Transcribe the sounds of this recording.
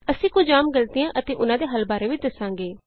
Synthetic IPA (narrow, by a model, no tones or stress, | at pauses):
əsĩːkʊd͡ʒaːmɡəlt̪ɪjãːʔət̪eːʔʊnãːd̪eːɦəlbaːɾeːʋɪt͡ʃd̪əsãːŋ̆ɡeː